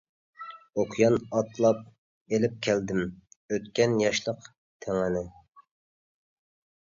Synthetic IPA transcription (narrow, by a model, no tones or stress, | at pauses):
oqʰjɑnɑt̪ʰlˠɑp̚ | elɪp̚kʲʰæld̪ɪmøt̪kʲɛnjɑʃlˠəq | t̪ʰæŋɪnɪ